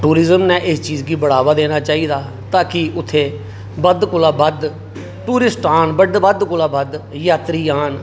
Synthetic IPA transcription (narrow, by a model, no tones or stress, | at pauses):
ʈuːɾɪzəmnɛːʔɪst͡ʃiːzɡiːbəɽaːʋaːd̪eːnaːt͡ʃaːiːd̪aː | t̪aːkɪʊt̪ʰːeː | bəd̪kʊlaːbəd̪ | ʈuːɾɪsʈaːnbəɖbəd̪kʊlaːbəd̪jaːt̪ɾiːaːn